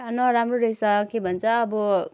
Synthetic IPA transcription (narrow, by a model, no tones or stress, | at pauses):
ʌnʌɾamroɾʌsʌkebʱʌnt͡sʰʌːbʌ